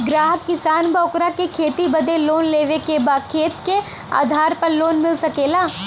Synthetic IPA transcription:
ɡɾaːɦəkːɪsaːnbɔːkɾakekʰeːt̪ibəd̪eloːnleːʋekebaːkʰeːt̪ke | a̰ːd̪ʱaːɾpəɾloːnmɪlsɐkeːlaː

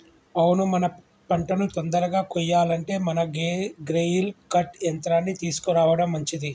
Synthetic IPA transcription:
ɐwnumɐnɐ | pɐɳʈɐnut̪ond̪ɐɾɐɡaːkɔjːaːlɐɳʈe̞ːmɐnɐɡɾejilkɐʈent̪ɾaːnːit̪iːsu̥kuɾaːʋɐɽɐmːɐɲt͡ʃid̪i

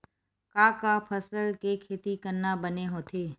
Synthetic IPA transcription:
kaːkapʰəsəlkekʰeːt̪ikɐɾnabɐneɦoːt̪ʰeː

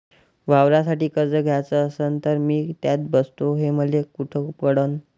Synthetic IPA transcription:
ʋawɾas̬aʈiːkəɾd͡zəɡʱjat͡səːsənt̪əɾmiːt̪jat̪̚bəst̪oɦeməlekuʈʰəkpəɽən

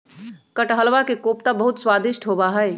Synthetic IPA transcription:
kəʈɦəlʋakekoːpt̪abəɦut̪swaːd̪ɪʃʈʰɦobaɦəɪ

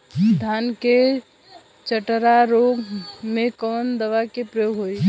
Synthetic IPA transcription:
d̪ʱanke | t͡ʃəʈɾaɾoɡmekɔnd̪əʋakepɾəjoɡɦoi

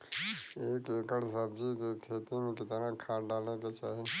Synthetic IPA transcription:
eːkeːkəɽsəb̚d͡ʒikekʰeːt̪imẽkɪt̪nãkʰãːɖaːlneket͡ʃaːɦi

